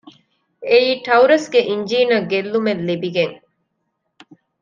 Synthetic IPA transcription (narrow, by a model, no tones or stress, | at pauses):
eiːʈɐuɾɐsɡeʔiɲd͡ʒiːnɐɡelːumelːibiɡeŋ